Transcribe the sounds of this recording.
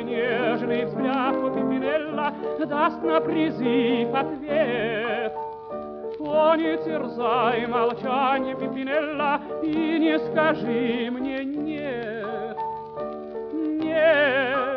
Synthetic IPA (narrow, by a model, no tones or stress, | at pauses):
nʲeʐnɨjɪzblʲakopʲɪmʲɪnɛlʲːəd̪ast̪nəpɾʲɪzɨfɐt̪vʲe | t̪ | ponʲɪtʲɪrzajɪmɐlˠt͡ɕanʲjəpʲɪmʲɪnɛlʲːəinʲɪskɐʐɨmnʲenʲe | t̪ | nʲe